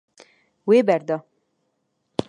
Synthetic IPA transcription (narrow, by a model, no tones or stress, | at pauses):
weːbɛɾd̪ɑ